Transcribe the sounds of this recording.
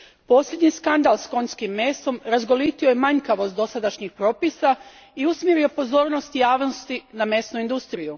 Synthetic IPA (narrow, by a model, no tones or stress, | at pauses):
po̞ːslʎe̞d̪ɲiskand̪alsko̞ɲskimːe̞ːst̪o̞mɾazɡo̞lit̪io̞jemaɲkaʋo̞st̪o̞sad̪aʃɲixpɾo̞ːpisa | iusmjeɾio̞po̞zo̞ːɾno̞st̪jaːʋnost̪iname̞snuind̪ust̪ɾiju